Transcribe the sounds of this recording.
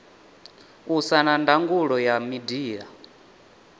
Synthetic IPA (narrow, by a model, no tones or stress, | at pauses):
usanandaŋɡuɺɔjamidiːja